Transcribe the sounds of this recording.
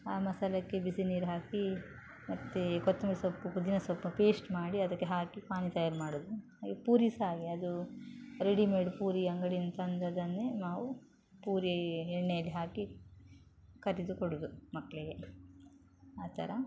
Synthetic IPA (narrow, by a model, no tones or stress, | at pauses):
aːmɐsɐlɐkːe̞bisiniːɾɦaːki | mɐt̪ːekɔt̪ːɐmɾsɐpːupud̪inɐsɐpːɐpeːsʈmaːɽiɐd̪ɐkːeɦaːkipaːnit̪ɐjaːɾmaːɽud̪u | aːipuːɾisaːɡiɐd̪uɾeɽimeːɽupuːɾiɐŋɡɐɽint̪ɐnd̪ɐd̪ɐnːenaːʋu | puːɾiɛɳːejɐlːiɦaːki | kɐɾid̪ukoɽud̪umɐkːɭiɡe | aːt̪ɐ̰ɾɐ